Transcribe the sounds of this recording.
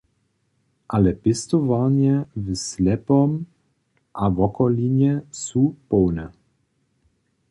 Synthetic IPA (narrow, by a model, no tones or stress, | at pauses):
ʔalɛpɪst̪ɔvaɲjɛvəslɛpɔm | ʔavɔkɔliɲɛsupɔwnɛ